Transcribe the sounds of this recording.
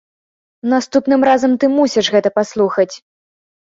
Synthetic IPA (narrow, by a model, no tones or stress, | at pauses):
nast̪upnɨmɾazɐmt̪ɨmusʲiʂɣɛt̪ɐpaslˠuxɐt͡sʲ